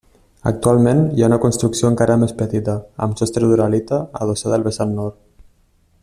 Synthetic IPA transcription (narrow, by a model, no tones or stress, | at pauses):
ə̰k̚t̪ualˠmenjaunəkunst̪ɾuksioəŋkaɾəmespət̪it̪əə̰msɔst̪ɾeðuɾalit̪əə̰ðosaðəlˠβəsanːɔɾt̪